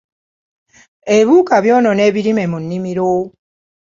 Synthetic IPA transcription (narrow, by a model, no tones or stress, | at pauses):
eβuːkaβjoːnoneːβiɾimemunːimiɾo